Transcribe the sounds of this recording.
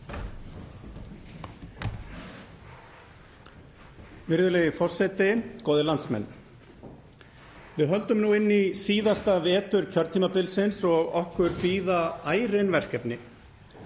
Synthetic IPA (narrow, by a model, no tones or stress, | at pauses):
vɪɾðʏlɛːjɪfɔr̥sɛt̪ɪkoːwðɪlant̪smɛ̰nː | vɪðɦœlt̪ʏmnuɪnːisiːðast̪avɛːt̪ʏɾ̥cʰœɾt̪ʰːimapɪlsɪnsɔɣɔhkʏɾpiːðaaːjɾɪnvɛr̥cɛpnɪ